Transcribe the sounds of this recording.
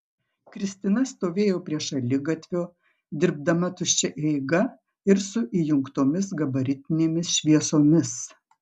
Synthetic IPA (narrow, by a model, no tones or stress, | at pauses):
kɾʲɪsʲt̪ʲɪnɐst̪oːʋʲeːjoːpʲɾʲiɛʃɐlʲɪɡɐt̪ʲʋʲoː | d̪ʲɪɾb̚d̪ɐmɐt̪ʊʃʲt͡ʃʲɛʔɛɪɡɐ | ɪɾsʊʔiːjʊŋkt̪oːmʲɪs̬ɡɐbɐɾʲɪt̪ʲɪnʲeːmʲɪsʃʲʋʲiɛsoːmʲɪs